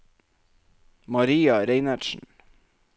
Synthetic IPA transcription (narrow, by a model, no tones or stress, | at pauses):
mɑɾiːɑɾeɪnæʈʃn̩